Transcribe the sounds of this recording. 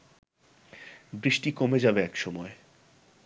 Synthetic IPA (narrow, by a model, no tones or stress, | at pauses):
bɾiʃʈikomed͡ʑabeɛkʃɔmɔe